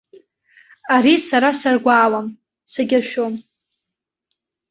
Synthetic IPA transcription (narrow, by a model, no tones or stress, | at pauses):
aɾisaɾasarɡʷaːwam | saɡʲaʃᶣom